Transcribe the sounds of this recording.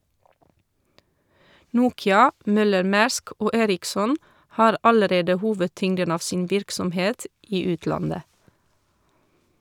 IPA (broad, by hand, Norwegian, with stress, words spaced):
ˈnuːkɪɑ ˈmœləɾˌmæːɾsk ˈoː ˈeːɾɪksɔn ˈhɑːɾ ˈɑləˌɾeːdə ˈhuːʋədˌtʏŋdən ˈɑːʋ ˈsiːn ˈʋɪɾksɔmˌheːt ˈiː ˈʉːtlɑndə